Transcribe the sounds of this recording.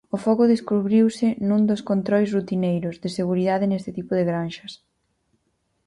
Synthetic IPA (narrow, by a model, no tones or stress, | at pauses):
ʊfɔɣʊðeskuβɾiwsɪnũnd̪ʊskont̪ɾɔjs̬rut̪inejɾʊzðɪseɣ̞uɾiðaðɪnest̪ɪt̪ipʊðɪɣɾanʃɐs